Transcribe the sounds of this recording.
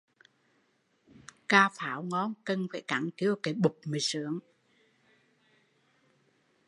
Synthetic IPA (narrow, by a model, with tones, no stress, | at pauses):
kaː˧faː˨˩˦wŋɔ˧˥nkə˧nfaː˧˩˦jkaː˨˩˦ŋki˧˦əwkaː˨˦jɓʊ˨˩k͡p̚mə˨˩jsɨ̰˧˦əŋ